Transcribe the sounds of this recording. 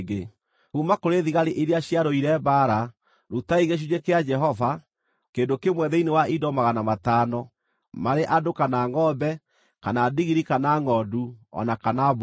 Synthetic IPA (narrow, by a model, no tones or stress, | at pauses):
ɡe | umakoɾeðiɣaɾeʔiɾeaɕiaɾoiɾɛbaɾa | ɾutaiɣeɕ̬ud͡ʒekead͡ʒɛɦɔva | kendokemwɛðɛinewaʔidɔmaɣanamataːnɔ | maɾeʔadokanaːŋɔbɛ | kanaːdiɣiɾikanaŋɔduɔ̰nakanab